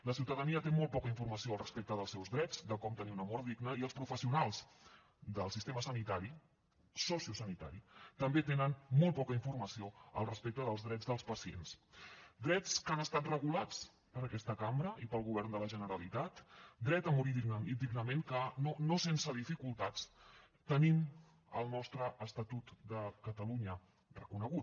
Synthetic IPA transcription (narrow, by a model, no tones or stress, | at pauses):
ləsiwt̪əðəniət̪emol̚ˠpɔkəiɱfurməsioəlˠrəspek̚t̪əð̞əlˠsɛwzðɾɛd͡zd̪əkɔmt̪əniunəmoɾðiɡnəiəlˠspɾufəsiunalˠz | d̪əlˠsist̪eməsənit̪aɾi | sɔsiusənit̪a̰ɾit̪əmbet̪enənmolˠt̪̚pɔkəiɱfurməsioə̰lˠrəspek̚t̪əðəlˠzðɾɛd͡zðəlˠspəsiḛnsd̪ɾɛt͡skənəst̪at̪rəɣulat͡s | pəɾəkɛst̪əkambɾəipəlˠɣuβ̞ɛrnd̪ələʒənəɾəlit̪at̪d̪ɾɛt̪əmuɾiind̪iɡnəmeŋkənonosensəð̞ifikulˠt̪at͡s | t̪ənim | ə̰lˠnɔst̪ɾəʔːst̪ət̪ut̪d̪əkət̪əluɲə | rəkunəɣut̪